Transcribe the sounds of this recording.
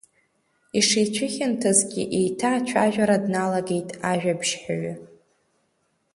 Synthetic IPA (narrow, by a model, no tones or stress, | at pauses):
iʂijt͡ɕʷʰʊχʲɪntʰazɡʲɪ̰ʔejtʰaːt͡ʃʷʰaʒᶣaɾadnalaɡe̞jtʼaʒᶣabʒħaɥa